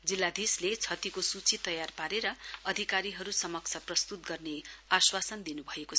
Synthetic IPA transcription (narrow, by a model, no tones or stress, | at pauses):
d͡zilːad̪islet͡sʰʌt̪ikosut͡sit̪ʌjarpaɾeɾʌʌd̪ʱikaɾiɦʌɾusʌmʌk̚t͡sʰʌprʌst̪ut̪ɡʌrneaswasʌnd̪inubʱʌeko